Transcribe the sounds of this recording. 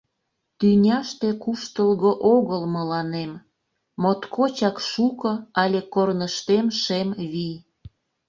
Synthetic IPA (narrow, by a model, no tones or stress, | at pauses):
t̪ynʲɑʃt̪e̽kuʃt̪əlɣoʔoɣəlməlɑnemː | ot̪kʰot͡ɕɑkʃukɤ̆ɑlʲekornəʃt̪emʃemβij